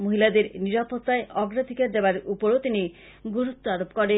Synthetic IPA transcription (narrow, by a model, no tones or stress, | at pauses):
moɦilad̪eɾniɾapot̪ːaeʔɔɡɾad̪ʱikaɾd̪ebaɾupoɾot̪ini | ɡuɾut̪ːoaɾopkɔɾe